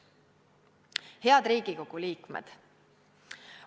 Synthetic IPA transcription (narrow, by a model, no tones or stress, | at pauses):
he̞ɑd̪̥ɾiːɡ̥iko̞ɡ̥uliːkmḛd̪̥